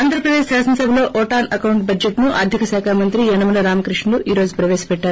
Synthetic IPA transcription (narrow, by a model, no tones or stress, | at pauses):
aːnd̪ɐɾɐpɾɐd̪eːʃsaːsɐnɐsɐbʱɐloːʔɔːʈaːnɐkɐwɳʈ̚bɐd͡ʒeʈnuʔɐɾd̪ʱikɐsaːkʰaːmɐnt̪ɾiɛnɐmɐlɐɾaːmɐkɾiʂɳɐluʔiːɾo̞ːd͡ʒupɾɐʋeːsɐ̥pɛʈːaːɾu